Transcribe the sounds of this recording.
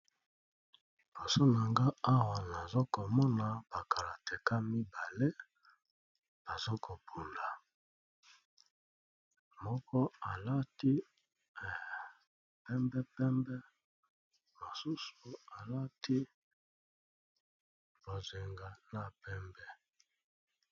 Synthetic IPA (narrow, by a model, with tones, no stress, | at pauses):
b̥o˨so˦na˨ŋɡa˦a˦wa˨na˨zo˦ko˨mɔ˦na˨b̥a˨kʰa˨la˨te˨ka˦mi˦ba˨le˦ | b̥a˨zo˦ko˨bu˨na˨ | mɔ˦kɔ˦a˨la˦ti˦˨ | pɛ˦mbɛ˦pɛ˦mbɛ˦ | mo˨su˦su˨a˨la˦tʰi˦ | b̥o˨ze˨ŋɡa˨na˨pɛ˦mbɛ˦